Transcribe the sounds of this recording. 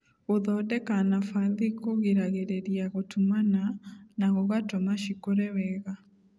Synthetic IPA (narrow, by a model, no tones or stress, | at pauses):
oðɔdɛkanafaðikoɣeɾaɣeɾeɾiaɣotʰumananaɣoɣatɔmaʃikoɾɛwɛɣa